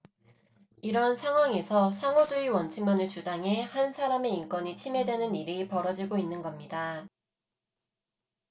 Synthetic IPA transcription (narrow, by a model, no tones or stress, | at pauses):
iɾʌnsʰaŋɦwaŋe̞sʰʌsʰaŋod͡ʑuiwʌnt͡ɕʰiŋmjʌnɯɭt͡ɕud͡ʑaŋɦe̞hansʰaɾame̞ink͈wʌɲit͡ɕʰime̞dwe̞nɯniɾipʌɾʌd͡ʑiɡoinːɯnɡʌmɲida